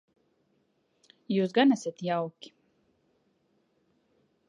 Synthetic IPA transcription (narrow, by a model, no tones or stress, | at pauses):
juːsɡanæsʲat̪jawkʲi̥